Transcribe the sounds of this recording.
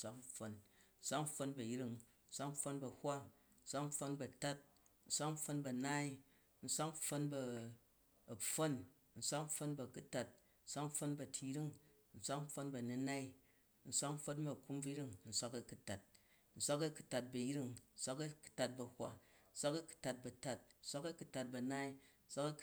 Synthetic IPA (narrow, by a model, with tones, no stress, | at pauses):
sʷa˦k̩˦ɸo˧nn̩˦sʷa˦k̩˦ɸo˧nbɐ˨jɾi˦ŋ | n̩˦sʷa˦km̩˦ɸo˧nbɐ˨hʷa˦ | n̩˦sʷa˦km̩˦ɸo˧nbɐ˨ta˦t̚ | n̩˨sʷa˦km̩˦ɸo˧nbɐ˨naː˦i˦ | n̩˦sʷa˦km̩˦ɸo˧nbɐː˧˨ | fo˦n | n̩˨sʷa˦km̩˦fo˧nbɐ˨ku˦ta˨t̚ | n̩˦sʷa˦km̩˦ɸo˧nbɐ˨tʰi˧˦ɾi˦ŋ | n̩˨sʷa˦km̩˦ɸo˧nbɐ˨nu˧na˦i˦ | n̩˦˨sʷa˦km̩˦ɸo˧nbɐ˨ku˦mbu˦ɾi˦ŋn̩˨sʷa˦kɐ˨ku˦ta˨t̚ | n̩˨sʷa˦kɐ˦ku̥˨ta˨t̚bɐ˨ji˦ɾi˦ŋn̩˦sʷa˦kɐ˦ku̥˨ta˨t̚bɐ˨hʷa̰˦n̩˦sʷa˦kɐ˦ku̥˨ta˨t̚bɐ˨ta˦t̚n̩˦sʷa˦kɐ˦ku˦ta˨t̚bɐ˨naː˦i˦n̩˦sʷa˦kɐ˦